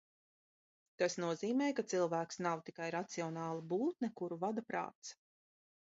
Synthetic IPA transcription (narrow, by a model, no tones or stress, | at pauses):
t̪asnuɔziːmɛːjkat̪silˠvæːksnawt̪ikajɾat̪siɔnɑːlˠabuːt̪nɛkuɾuvad̪apɾa̰ːt̪s